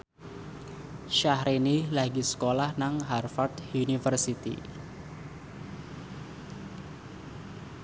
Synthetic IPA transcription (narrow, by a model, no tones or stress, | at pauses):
ʃahɾinilaɡisə̥kolahnaŋɦarfart̪unifərsit̪ḭ